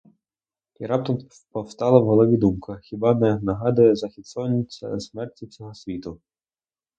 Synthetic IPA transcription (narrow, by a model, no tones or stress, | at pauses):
iɾɑp̚t̪ɔm | pɔwst̪ɑlˠɐwɦɔlˠɔʋʲid̪umkɐxʲibɑnɛnɐɦɑd̪ʊjɛzɐxʲit̪sɔɐnʲːit͡sʲːɐ̰smɛrtʲit͡sʲɔɦɔsʲʋʲit̪ʊ